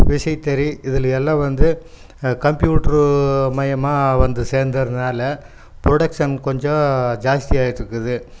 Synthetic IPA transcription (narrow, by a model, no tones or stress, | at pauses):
ʋɪʂɐɪt̪ːɛɾiɪðɯlɐɛlːãːʋɐnd̪ɯ | kɐmpjuːʈɐɾmɐjɐmaːʋɐnd̪ɯseːɾnd̪ɐɾɯnnaːlɐ | pɾɔɽɐkʂɐnkɔɲd͡ʒɔ̃d͡ʒaːst̪ijaːjɪʈːɾɯkːɯðɯ